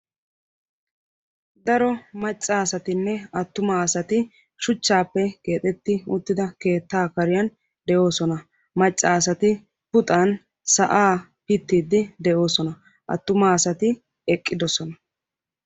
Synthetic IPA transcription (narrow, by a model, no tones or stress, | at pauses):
d̪ɐɾɔmɐt͡ʃʼːaːsɐt̪ɪnːɛɐt̪ːʊmaːsɐt̪ɪ | ʃʊt͡ʃːaːpːɛke̞ːt̪ʼɛt̪ːɪʊt̪ːɪd̪ɐke̞ːt̪ːaːkɐɾɪjɐn | d̪ɛʔo̞ːsɔnɐ | mɐt͡ʃʼːaːsɐt̪ɪ | pʊt̪ʼɐn | sɐʔaː | pɪt̪ːiːd̪ːɪd̪ɛʔo̞ːsɔnɐ | ʔɐ̰t̪ːʊmaːsɐt̪ɪ | ɛkʼːɪd̪ɔsɔnɐ